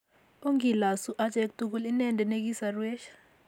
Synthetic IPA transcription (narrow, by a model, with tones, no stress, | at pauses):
o˦ŋi˨la˨su˦ʔa˦d͡ʒʼɛ˦k̚tʼu˦k̬u˦li˦nɛ˦ndʱɛ˨ne˦k̬ʼi˦sarwɛ˦ʃḁ